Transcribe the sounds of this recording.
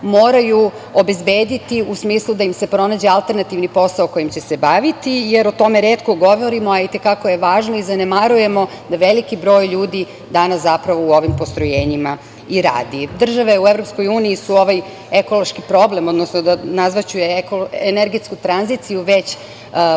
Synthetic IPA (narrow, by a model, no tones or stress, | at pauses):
mo̞ːɾaju | obe̞zbe̞ːd̪it̪iusmiːslˠud̪aimse̞pɾo̞naːd͡ʑe̞alˠt̪e̞ɾnat̪iʋnipo̞saoko̞jimt͡ɕesebaʋit̪ijeɾot̪o̞meɾeːt̪ko̞ɡo̞ʋo̞ɾimoait̪ekakoje̞ʋaːʒnoizanemaɾuje̞mo̞ | d̪aʋelikibɾo̞ːjʎuːd̪i | d̪anaszapɾaʋo̞uo̞ʋimpost̪ɾojeːɲima | iɾa̰ːd̪id̪r̩ʒaʋeuevɾopsko̞juːniisuo̞ʋaj | eko̞lˠoʃkipɾo̞blemo̞d̪nosnod̪anazʋat͡ɕujekoeneɾɡet̪skut̪ɾanzit̪sijuʋe̞t͡ɕ